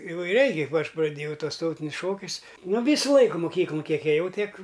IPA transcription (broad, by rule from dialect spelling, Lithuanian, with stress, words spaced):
iːʋɐɪˈrʲɛɪ kɐɪp ˈɐʃ prɐˈdʲeːjɛʊ ˈtuɔs ˈtɐʊtʲɪnʲʊs ˈʃoːkʲʊs nʊ ˈʋʲiːsʊ ˈlˠɐɪkʊ moːˈkʲiːklˠʊn ˈkʲiɛk eːˈjɛʊ ˈtʲiɛk